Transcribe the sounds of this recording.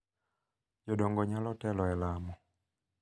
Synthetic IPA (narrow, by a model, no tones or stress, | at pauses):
d͡ʒɔɗɔŋɡɔɲalɔtɛlɔɛlamɔ